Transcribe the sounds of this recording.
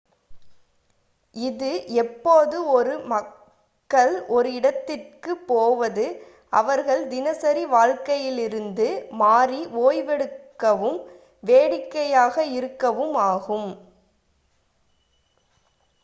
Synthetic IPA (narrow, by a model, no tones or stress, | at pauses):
ɪðɯʔɛpːoːðɯɔɾɯmɐ | kːɐɭɔɾɯɪɽɐt̪ːɪrkɯpːoːʋɐðɯ | ɐʋɐɾɣɐɭd̪ɪnɐsɐɾiʋaːɻkɐjɪlɪɾɯnd̪ɯmaːɾiʋoːjʋɛɽɯkːɐʋɯm | ʋeːɽɪkːɐjaːɣɐɪɾɯkːɐʋɯmaːɣɯm